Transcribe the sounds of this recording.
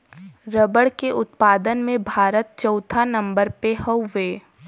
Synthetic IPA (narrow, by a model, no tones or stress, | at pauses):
ɾəbəɽkeʔʊt̪paːd̪ənmẽbʱaːɾət̪̚t͡ʃɔʊt̪ʰanɐ̃mbəɾpeɦəwʋeː